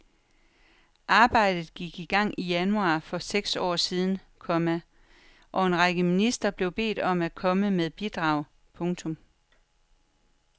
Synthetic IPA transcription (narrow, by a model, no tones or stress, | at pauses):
ʔɑ̈ːb̥ɑ̈ɪ̰d̥ð̞̩ˠɡ̥iɡ̥iɡ̥ɑ̈ŋ̰ijænuɑ̰̈ːfɒ̽seɡ̥sɒ̰ːsiːð̞ˠn̩ | kʰɒ̽mæ | ʔɒ̽e̝nʁɑɡ̥əminisd̥ʁɐb̥le̝ʊb̥e̝̰ːd̥ɒ̽mækʰɒ̽məmeðˠb̥id̥ʁɑ̈ːʊ̰ | pʰɔ̽ŋt͡sʰɔ̽m